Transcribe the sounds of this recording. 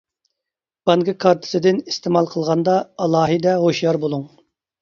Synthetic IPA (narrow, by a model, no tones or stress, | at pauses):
b̥ɑŋɡɨkʰɑɾt̪ʰɨ̥sɨd̪ɪnist̪emɑlˠqʰəlˠʁɑnd̪ɑɑlˠɑːɦɨd̪ɛʁoʃjɑɾbolˠuŋ